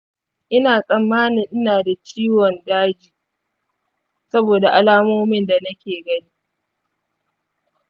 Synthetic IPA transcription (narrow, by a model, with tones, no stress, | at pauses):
ʔɪ˦naː˨sʼɐ˨mːaː˦nɪ˨ŋʔɪ˦naː˨da˨t͡ʃiː˦wɔ˨ndaː˦d͡ʒiː˨ | sɐ˦boː˨da˨ʔa˨laː˦moː˦mɪ˦nda˨nɐ˦kʲeː˨ɡɐ˦niː˦